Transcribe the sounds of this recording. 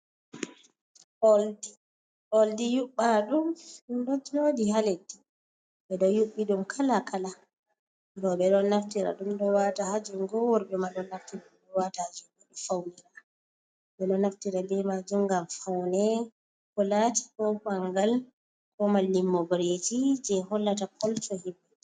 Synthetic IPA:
ɔldi | oldijuɓːaɗummdɔd͡ʒodihaledi | ɓɛɗɔjuɓːiɗumkʰalakʰala | ɾɔɓɛɗɔnːaftiɾa̰ɗumdɔwatahad͡ʒuŋɡɔwɔɾbɛmaɗɔnːaftiɗumdɔwatahad͡ʒumɓɛɗɔfawniɾa | ɓɛɗɔnaftiɾalɛmad͡ʒumɡamfawnɛ | kɔlati̥kɔkaŋɡal | kɔmalːimːɔbɾetid͡ʒɛhɔlːatakʰɔltɔhibːɛ

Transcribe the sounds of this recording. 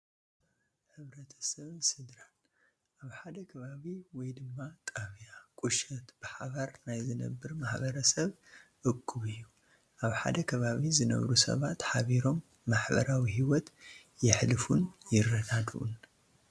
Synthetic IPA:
ħɨβɾɐt̪ʰɐ̥sɐβɨnsɨd̪ɾan | ʔaβħad̪ɐkʰɐβaβiwɔjd̪ɨmːat̪ʼaβjakʼuʃɐt̪b̥ɨħaβaɾnajzɨnɐ̰bːɨɾmaħbɐɾɐsɐβ | ʔɨkʰːuβɨjːu | ʔaβħa̰d̪ɐkʰɐβaβizɨnɐ̰βɾusɐ̰βat̪ħaβiɾo̞mː | aħbɐ̰ɾawiɦiwɔt̪ | jɪħlɨfunjɪrːɐɡad̪ʔṵn

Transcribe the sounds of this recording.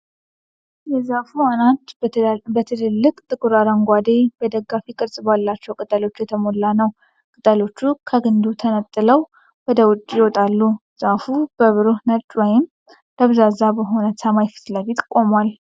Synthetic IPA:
jɛzafuanat̪bət̪ʰɨlɨlːɨkʼt̪ʼɨkʼuɾaɾəŋɡʷad̪e̞b̥əd̪əɡːafikʼɨɾsʼɨbalːat͡ʃːɛwkʼɨt̪ʼəlo̞t͡ʃːjɛt̪ʰəmo̞lːanəw | kʼɨt̪ʼəlo̞t͡ʃːukʰəɡɨnd̪ut̪ʰənət̪ʼːɨləw | wɔd̪əwʊt͡ʃʼːɪwɔt̪ʼalːuz̥afub̥əβɨɾohnət͡ʃʼːwɔjɪm | ləβzazabəɦo̞nəsəmajfɨ̥t̪ləfit̪kʼo̞mwal

